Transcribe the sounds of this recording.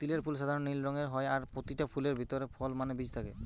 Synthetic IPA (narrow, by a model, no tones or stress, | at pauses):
t̪ileɹpʰulsad̪ʱaɹɔnːilɹɔŋɛɹɦɔjaɹpot̪itapʰuleɹbʱit̪ɔɹɛpʰɔlmanɛbid͡ʑt̪ʰakɛ